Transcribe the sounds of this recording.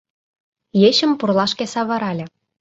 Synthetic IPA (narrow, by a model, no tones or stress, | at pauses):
jeɕə̆mpurlɑʃkesɑβɤ̆ɾɑlʲĕ